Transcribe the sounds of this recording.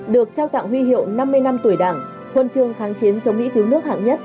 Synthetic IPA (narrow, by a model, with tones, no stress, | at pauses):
ɗɨ˨˩ək̚t͡ɕaː˧wt̪a̰ː˧˨ŋɦwi˧ɦḭ˧˨əwna˧mːɨ˧əjna˧mt̪u˧˩əjɗaː˧˩ŋ | hwə˨˩nt͡ɕɨ˨˩əŋxaː˨˦ŋt͡ɕi˨˦nt͡ɕə˨˦wŋ͡mmḭ˧˥k̪i˨˦wnɨ˦˥ək̚ha̰ː˧˨ŋɲə˦˥t̚